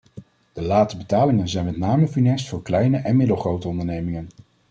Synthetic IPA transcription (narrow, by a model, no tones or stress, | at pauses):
d̥əlaːttəbətaːlɪŋənzɛjnmɛtnaːməfinɛstfʊːɹklɛjnəʔɛnmɪdəlˠχrowtəɔndəɹnejmɪŋən